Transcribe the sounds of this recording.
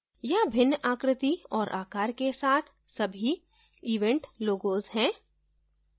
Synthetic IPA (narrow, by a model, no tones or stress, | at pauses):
jabʱɪnːʔaːkɾɪt̪iɔːɾʔaːkaːɾkesaːt̪ʰ | sɐbʱi | iːʋẽɳʈloːɡoːzɦɛ̃ː